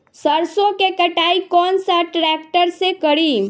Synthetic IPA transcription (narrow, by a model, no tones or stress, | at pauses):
səɾsõkekəʈaːikɔːnsaʈɾɛːkʈəɾsekəɽi